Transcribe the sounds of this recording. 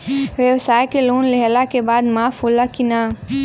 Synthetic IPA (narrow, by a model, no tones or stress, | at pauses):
ʋjəʋsaːjkeloːnleɦlakebaːd̪maːfɦoːlakina